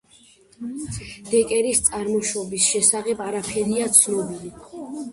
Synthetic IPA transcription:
d̪̥ɛkʼɛɾist̪sʼaɾmɔʃɔbisʃɛsaʁɛbaɾapʰɛɾiat̪sʰnɔbili

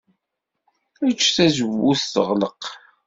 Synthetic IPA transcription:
æt͡ʃːθæzəvuθθə̰ʁləq

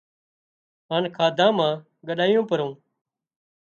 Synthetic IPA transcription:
ɦaːnkʰaːd̪ʱãːmãː | ɡəɗaːjõːpəɾõː

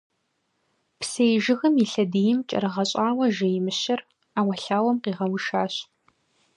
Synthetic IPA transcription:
psejʒɪɣɨmjɪɬɐdijɪmt͡ʃʼɐ̰ɾɨʁɐɕʼaːwɐʒɐjɪmɨɕɐr | aːwɐɬaːwɐmqiːʁɐwʊʃaːɕ

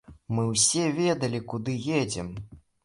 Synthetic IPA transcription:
mɨwsʲɛvʲɛd̪ɐlʲikud̪ɨjed͡zʲɛm

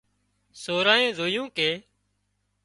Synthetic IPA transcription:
soːɾaːẽːzoːjõːkeː

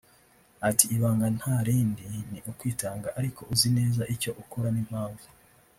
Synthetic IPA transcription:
atiːβaːŋɡan̥haɾiːndiniʔukwiːtaːŋɡaʔaɾikoʔuzine̞ːzaʔico̞ʔukoɾanim̥haːɱvu

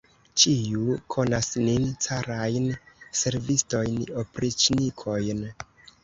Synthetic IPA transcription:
t͡ʃiukʰo̞nasnint͡saɾajnse̞ɾvisto̞jnopɾit͡ʃnikʰo̞jn

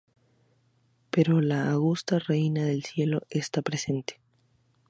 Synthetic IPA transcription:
pe̞ɾo̞laːɣust̪arejnaðe̞lsje̞lo̞est̪apɾe̞se̞nt̪e̥

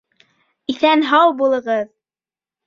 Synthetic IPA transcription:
iθænɦɑwbulˠɤ̆ʁɤð

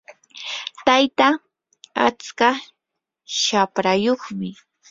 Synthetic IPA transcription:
t̪ajt̪a | a̰t͡ska | ʃapɾajoχmɪ

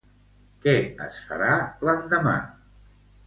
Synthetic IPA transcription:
kɛə̰sfə̰ɾalənd̪əma̰

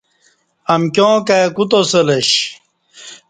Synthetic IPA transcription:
ɐmkjõːkekut̪osɐleɕ

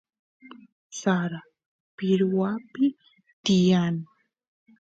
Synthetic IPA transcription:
saɾa | pɪɾwapɪ | t̪ɪjan

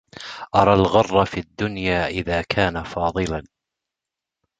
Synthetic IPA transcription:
ʔɑɾˤɑːlɣɑrˤːɑfiad̪ːʊnjaːʔɪðaːkʰaːnafɑːðˤɨlan

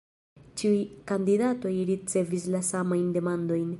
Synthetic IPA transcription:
t͡ʃiujkandidato̞jɾit͡se̞vislasamajnde̞mando̞jn

